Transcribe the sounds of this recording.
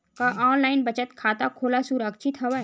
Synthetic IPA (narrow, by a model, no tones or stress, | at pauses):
kaʔaːnlaːɪnbɐt͡ʃət̪kʰaːt̪akʰoːlasuɾəkʃʰɪt̪ɦɐʋa